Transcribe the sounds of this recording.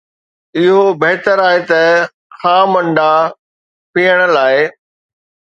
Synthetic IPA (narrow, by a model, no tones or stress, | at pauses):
ɪɦobeɦt̪əɾaːɦet̪ɐ | xãːmɐ̃ɳɖa | piːəɽ̃ə̆laːɪ